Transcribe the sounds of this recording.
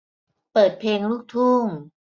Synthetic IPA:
pɤː˨˩t̪̚pʰeː˧ŋluː˥˩k̚t̪ʰuː˥˩ŋ

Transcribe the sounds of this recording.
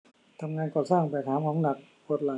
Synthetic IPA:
t̪ʰa˧mŋaː˧nkɔː˨˩saː˥˩ŋpɛ˧˨˩t̪ʰaː˨˦mkʰa˧˥ŋna˨˩k̚ | ko˧˩t̪̚la˨˦

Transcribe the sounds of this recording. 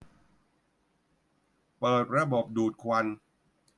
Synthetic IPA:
pɤː˨˩t̪̚ɾa˧bo˨˩p̚duː˨˩t̪̚kʰwa˧n

